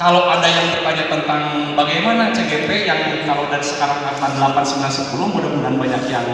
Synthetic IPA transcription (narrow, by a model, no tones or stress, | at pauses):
kalawadajaŋbərbaɲat̪ənt̪aŋ | baɡajmanat͡ʃeɡɛpɛjaŋ | kaladanisə̥kaɾaŋamandəlapansəŋlasəpulʊmudabunanbaɲakjaŋ